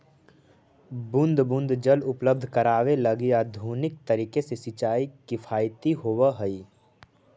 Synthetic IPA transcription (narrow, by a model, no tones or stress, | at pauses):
bʊ̃nd̪ʱbʊ̃nd̪ʱd͡ʒəlʊpləb̚d̪ʱkəɾaːʋelɐɡɪjad̪ʱuːnɪk̚t̪əɾiːkesesɪt͡ʃaːikɪfʰaːjt̪iɦoːʋaɦəiː